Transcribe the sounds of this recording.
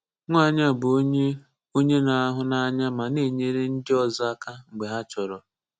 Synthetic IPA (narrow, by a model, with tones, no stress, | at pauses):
ŋʷa˦˨ɲa˦˨bʊ˨o˦ɲe˦ | o˦ɲe˦na˨a˦ɦʊ˦na˦ɲa˦ma˨ne˦˨ɲe˦ɾe˦n̩˦dɪ˦ɔ˨zɔ˦a˦ka˦ŋ͡m̩˨ɡ͡be˨ɦa˦t͡ʃɔ˨ɾɔ˨